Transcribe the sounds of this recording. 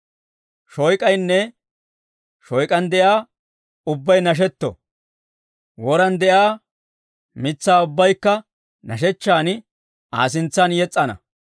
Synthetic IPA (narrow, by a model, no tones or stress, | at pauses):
ʃɔjkʼɐjnːɛ | ʃɔjkʼɐnd̪ɛjaː | ʊbːɐjnɐʃ̬ɛt̪ːɔ̰ | wɔɾɐnd̪ɛjaː | mɪt͡sːaːʊbːɐjkːɐ | nɐʃ̬ɛt͡ʃːaːn | ʔaːs̬ɪnt͡sːɐnjɛt͡sʼːɐnɐ̰